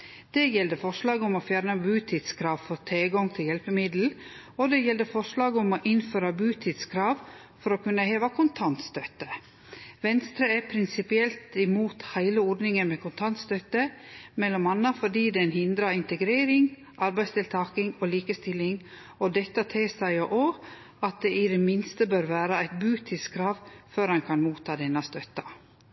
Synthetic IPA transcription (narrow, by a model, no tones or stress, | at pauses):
d̪̥ɛjɛld̪əfɔʂlɑːɡʊmoːfjæːɾnəbʉːt̪ʰiːd̪skʰɾɑːʋfɔɾt̪ʰeːɡɔŋt̪ʰɪljɛlpəmɪd̪l̩ | od̪ɛjɛld̪əfɔʂɭɑːɡəʊmoʔɪnføːɾɑbʉːt̪ʰiːd̪skʰɾɑːʋ | fɔɾoːkʰʉnːəheːʋɑkʰʊnt̪ʰɑnt̪st̪œt̪ə | ʋɛnst̪ɾəæpʰɾɪnsɪpɪɛlt̪ɪmuːt̪hæɪləɔɾɖ̪nɪŋənmɛkʰʊnt̪ʰɑnt̪st̪œt̪əmɛlːɔmɑnːəfɔɖiːd̪ɛnhɪnd̪ɾɑɪnt̪ɛɡɾeːɾɪŋ | ʔɑɾbæɪst̪ɪlt̪ʰɑːkɪŋoːliːkəst̪ɪlːɪŋ | ɔd̪ɛt̪ːɑt̪ʰesæɪʔoː | ɑt̪̚d̪ɛʔɪd̪ɛmɪnst̪əbøːɾʋæːɾɑæɪt̪̚bʉːt̪ʰiːd̪skʰɾɑːʋføːɾhɑŋkʰɑnmuːt̪ʰːɑːd̪ɛnːɑst̪œt̪ɑ